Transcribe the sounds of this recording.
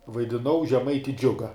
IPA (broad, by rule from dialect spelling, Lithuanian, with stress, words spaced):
ʋɐɪdʲɪˈnɐʊ ʒʲɛˈmɐɪtʲɪ ˈd͡ʒʲʊɡɐ